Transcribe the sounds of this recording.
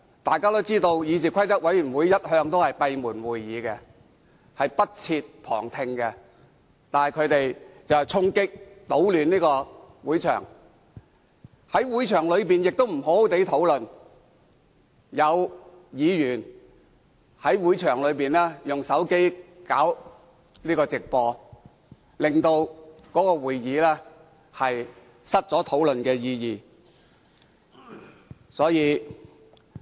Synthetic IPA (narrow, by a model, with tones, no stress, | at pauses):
t̪aː˨jkaː˥t̪o˥t͡siː˥t̪o˧wjiː˨˧t͡siː˨˩kʷʰɐ˥jt͡sɐ˥t̚wɐ˨˥jy˨˩nwuː˨˧jːɐ˥t̚hœː˧ŋt̪o˥whɐ˨jpɐ˧jmuː˨˩nwuː˨jːiː˨˧kɛ˧ | hɐ˨jpɐ˥t̚t͡sʰiː˧t̚pʰɔ̰ː˨˩ŋt̪ʰɪ˧ŋkɛ˧ | t̪aː˨nhɐ˨˩jkʰɵ˨˧ɥt̪e˨jt͡sɐ˨wht͡sʰʊ˥ŋkɪ˥k̚t̪o˨˥wlyː˨˧niː˥kɔː˧wuː˨˥jt͡ʃʰœ̰ː˨˩ŋ | hɐ˨˥jwu˨˥jt͡ʃʰœː˨˩ŋlɵ˨˧ɥpiː˨njɪ˨k̚t̪o˥wm̩˨˩ɦo˨˥wo˨˥t̪e˨˥jt̪ʰo˨˥wlɵ˨n | jɐ˨˧w | jiː˨˧jyː˨˩n | hɐ˨˥jwuː˨˧˥jt͡ʃʰœː˨˩ŋlɵ˨˧ɥpiː˨nlɛː˥jʊ˨ŋsɐ˨˥wke˥jka̰ː˨˥w | liː˥kɔː˧t͡sɪ˨k̚pɔː˧ | lɪ˨ŋt̪o˧wkɔː˨˥kɔː˧wuː˨jːiː˨˧lɛː˥ | hɐ˨j | sɐ˥t̚t͡sɔː˨˥t̪ʰo˨˥wlɵ˨nkɛː˧jiː˧jiː˨ | sɔː˨˥jiː˨˧